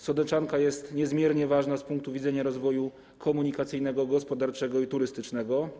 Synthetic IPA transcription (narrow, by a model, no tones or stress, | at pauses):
sɔd̪ɛt͡ʂankajɛst̪ɲɛzmʲjɛɾɲɛvaʐnaspuŋk̚t̪uvʲid̪zɛɲaɾɔzvɔju | kʰɔmuɲikat̪sɘjnɛɡɔɡɔspɔd̪aɾt͡ʂɛɡɔit̪uɾɘst̪ɘt͡ʂnɛɡɔ